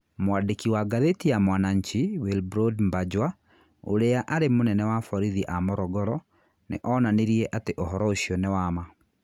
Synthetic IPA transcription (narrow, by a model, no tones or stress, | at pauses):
mwadekiwaɡaðetijamwanaɲt͡ʃiwilbɾodmbad͡ʒwa | o̰ɾeaʔaɾemonɛnɛwafɔɾiðiʔamɔɾɔɡɔɾɔ | nḛʔɔnaneɾiɛʔateʔɔɦɔɾɔoɕiɔnewama